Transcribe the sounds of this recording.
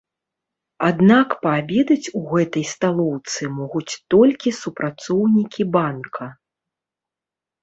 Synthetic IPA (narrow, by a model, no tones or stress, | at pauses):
ad̪nakpabʲɛd̪ɐt͡sʲuɣɛt̪ɐjst̪alˠɔwt̪sɨmɔɣut͡sʲt̪ɔlʲkʲisupɾʔat̪sɔwnʲikʲibankʰɐ